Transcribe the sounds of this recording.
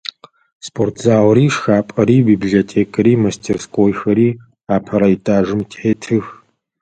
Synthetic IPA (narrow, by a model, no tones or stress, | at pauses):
spʰʼortʰzaːwɾiːʂxaːpʼɐɾiːbiːbliɮoːtʰeːkʰʼɐɾiːmɐstʰeːrskʰʼoːjxɐɾiː | aːpʰɐɾɐitʼʰaːʒɨmtʰʼħeːtʰɨx